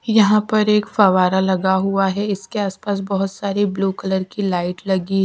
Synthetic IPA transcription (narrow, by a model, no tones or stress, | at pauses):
jɐɦãpɐɾeːkfɐʋaːɾalɐɡaɦuaɦɛɪskeaːspaːs̬bɐɦʊt̪saːɾibluːkɐləɾkilaːɪʈlɐɡiɦɛ